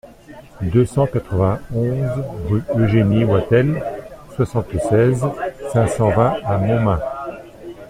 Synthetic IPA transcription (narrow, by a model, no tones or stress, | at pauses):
d̪øsɑ̃kat̪χəvɛ̃ɔ̃zʁyøʒeniwat̪ɛlswasɑ̃t̪sɛzsɛ̃sɑ̃vɛ̃amɔ̃mɛ̃